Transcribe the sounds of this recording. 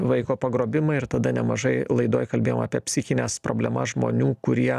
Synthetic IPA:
ʋɐɪkoːpɐɡɾoːbʲɪmɐɪɾt̪ɐd̪ɐnʲɛmɐʒɐɪlˠɐɪd̪oːjkɐlʲbʲeːjoːmɑ̰ːpʲiɛpʲsʲɪxʲɪnʲɛspɾo̰ːbʲlʲɛmɐsʒmo̰ːnʲuːkʊɾʲiɛ

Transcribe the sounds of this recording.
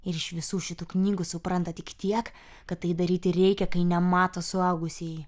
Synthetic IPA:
ɪɾɪʃʋʲɪsuːʃʲɪt̪uːknʲiːɡʊsʊpɾɐnt̪ɐt̪ʲɪkt̪ʲiɛk | kɐt̪̚ːɐɪd̪ɐɾʲiːt̪ʲɪrʲɛɪkʲɛkɐɪnʲɛmɑːt̪ɐsʊɐʊɡʊsʲij

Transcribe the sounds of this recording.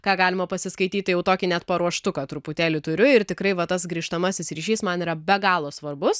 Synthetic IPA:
kɑːɡɑːlʲɪmɐpɐsʲɪskɐɪt̪ʲiːt̪ʲtjɛʊt̪oːkʲɪnʲɛt̪pɐɾuɔʃt̪ʊkɑːt̪ɾʊpʊt̪ʲæːlʲɪt̪ʊɾʲʊɪrt̪ʲɪkɾɐɪʋɐt̪ɐsɡɾʲiːʃt̪ɐmɐsʲɪsɾʲiːʃʲiːsmɐniːɾɐbʲɛɡɑːlˠoːsʋɐrbʊs

